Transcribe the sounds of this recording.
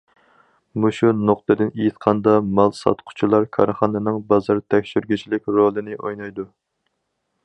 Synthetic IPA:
muʃunoqt̪ɨd̪ɨnejit̪qʰɑnd̪ɑmɑlˠsɑ̰t̪qʰʊ̥t͡ʃʰilˠɑɾkʰɑɾχɑnɨnɨŋbɑzɑɾt̪ʰɛkʲʃyɾɡʲit͡ʃʰilɪkʲɾolˠɨnɪʔojnɑjd̪u

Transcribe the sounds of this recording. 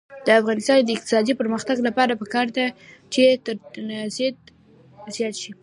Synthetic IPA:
d̪̥əafɣɑnɪst̪ɑnd̪əɪq̚t̪ɪ̥sɑd̪ipəɾməxt̪aɡlapɑɾapəkɑɾd̪at͡ʃet̪əɾt̪nazet̪ | zjɑt̪ʃi

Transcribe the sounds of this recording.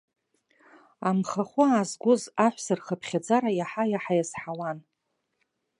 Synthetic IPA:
amχaχʷʊːzɡʷʊzaħʷsɨrχəpʰχʲad͡zaɾajaħajaħajasħawan

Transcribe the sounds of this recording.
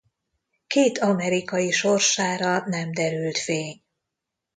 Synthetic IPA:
keːt̪ɒmɛɾikɒjiʃo̞rʃaːɾɒnɛmd̪ɛɾylt̪feːɲ

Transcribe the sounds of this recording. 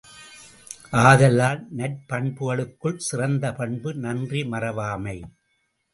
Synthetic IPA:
ʔaːðɐlaːlnɐʈ̚pɐɳbɯɣɐɭɯkːɯɭsɪrɐnd̪ɐpɐɳbɯnɐndrimɐrɐʋaːmɐɪ

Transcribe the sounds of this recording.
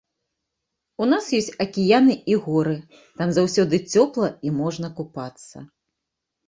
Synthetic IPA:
unasjɔsʲtʲɐkʲijanɨiɣɔɾɨ | t̪amzawsʲɔd̪ɨt͡sʲɔplˠɐimɔʐnɐkupat̪sːɐ̰

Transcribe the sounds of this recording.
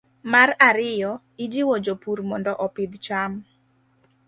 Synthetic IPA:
maɾaɾɪjɔ | id͡ʒiwɔd͡ʒopuɾmɔndɔʔɔpɪd̪t͡ʃam

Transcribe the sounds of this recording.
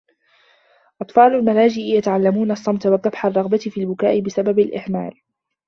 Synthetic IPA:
ʔɑt̪ˤfɑːlalmalaːd͡ʒɪʔɪjat̪aʕalːamuːnɑsˤːɑmt̪awɑk̪ːɑbħarˤːɑɣbat̪ɪfiːalbʊkaːʔɪbɪsababalʔɪhma̰ːl

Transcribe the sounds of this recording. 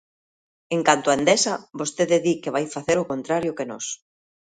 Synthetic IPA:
eŋkant̪ʊand̪esɐbost̪eðɪðikɪβajfaθeɾʊkont̪ɾaɾjʊkenɔ̰s

